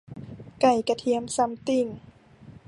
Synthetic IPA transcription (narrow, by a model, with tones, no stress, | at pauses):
ka˨˩jka˧t̪ʰi˧˦əmsa˧˦mt̪i˧˩ŋ